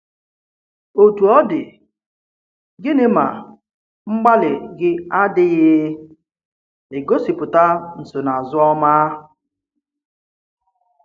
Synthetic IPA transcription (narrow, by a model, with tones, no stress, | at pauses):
o˨tu˨ɔ˦dɪ˨ | ɡɪ˦nɪ˦ma̰˨ | ŋ͡m̩˦ɡ͡ba˦lɪ˨ɡɪ˦a˦dɪ˦ɣɪ˦ | e˨ɡo˦si˨pʊ˨ta˦n̩˨sʊ˨na˨zʊ˦ɔ˦ma˦˨